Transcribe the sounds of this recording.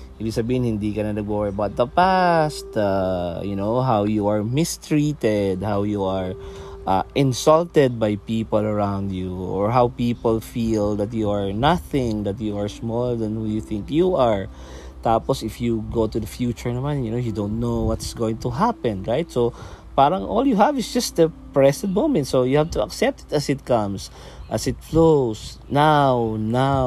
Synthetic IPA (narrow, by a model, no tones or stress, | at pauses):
ʔibiɡsɐbiːhɪnhɪ̃nd̪ikɐnɐnɐɡoɹəbawt̪̚d̪ɐpast̪ajʊnoʊɦawjuaɹmɪst̪ɹit̪ɛd̪hawjuaɹʔaʔɪ̃nsɔlt̪ɛd̪̚bajpiːpɔlɐɹãwnd̪juɔ̰ɹɦawpiːpɔlfild̪ɐt̪juaɹnaθɪ̃ŋd̪ɐt̪juaɹsmɔləɹd̪ɐ̃nhujuθɪ̃ŋkjuʔaɹ | t̪aːpɔsɪfjuɡot̪ud̪ɐfjut͡ʃʊɹnɐmãnjʊnojud̪õʊ̃nt̪̚nowwɐt̪sɡoɪ̃ŋt̪ʊɦapɛ̃nɹajt̪so | paːɾɐ̃ŋʔɔljuɦævɪsd͡ʒɐst̪əpɹɛsɛ̃nt̪̚mõʊmɛ̃nt̪sojuhavt̪uɐ̰ksɛp̚t̪ɪ̥t̪ɐsɪt̪̚kʌ̃ms | ʔɐsɪt̪flos | nawna